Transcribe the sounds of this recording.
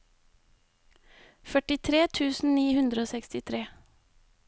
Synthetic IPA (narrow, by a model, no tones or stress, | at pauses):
fœʈɪt̪ʰɾeːt̪ʰʉːsn̩niːhʉnd̪ɾəoːsɛkst̪ɪt̪ʰɾeː